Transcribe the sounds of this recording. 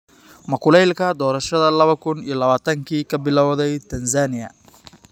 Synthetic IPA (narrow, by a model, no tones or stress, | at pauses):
mɐkʰʊlɛjlkʰɐd̪ɔːɾɐʃɐðɐlɐβɐkʰʊnijɞlɐβaːt̪ʰɐŋkʰiːkʰɐbɪlɐwðɛjt̪ʰɐnsaːnɪjɐ̰